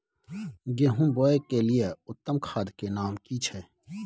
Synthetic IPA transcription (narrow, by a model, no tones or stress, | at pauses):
ɡeːɦũmboːekelijeʊt̪ːəmkʰaːd̪kenaːmkiːt͡ʃʰeː